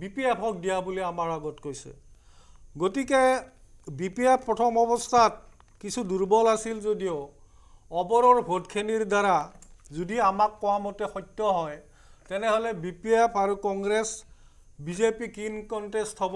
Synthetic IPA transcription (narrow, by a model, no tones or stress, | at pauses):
bipiepʰɔɡ̚dijabuliamaɹaɡɔtkojsɛ̰ | ɡotike | bipiepʰpːɹɔtʰɔmɔbɔstʰat̚ | kisʰuduɹbɔlasilzodijo | ɔbɔɹɔɹbʱodkʰeniɹdaɹazodiamakːɔwamɔtɛxɔjtːɔɦɔj | tɛnɛɦɔlɛbipiepʰaɹukɔŋɡɹes | bizepikinkɔntestɦɔbɔ